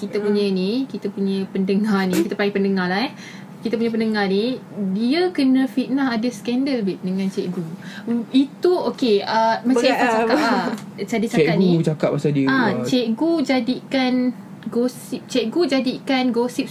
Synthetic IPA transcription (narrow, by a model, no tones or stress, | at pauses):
kit̪apuɲə̃nikit̪əpuɲəpəndəŋarnĩkit̪apajəpəndəŋalaɦɛ | kit̪apuɲəpəndəŋarnidiəkənə̃fiʔ̪̚naɦadəskɛndəlbiʔ̪̚dəŋãnt͡ʃɛʔɡu | it̪uokeəmə̃t͡ʃãitat͡ʃakaat͡ʃadit͡ʃakatɡniut͡ʃakatʔ̚masadiəat͡ʃt͡ʃɛʔɡud͡ʒadikan | ɡosip̚t͡ʃɛʔɡud͡ʒadikanɡosip̚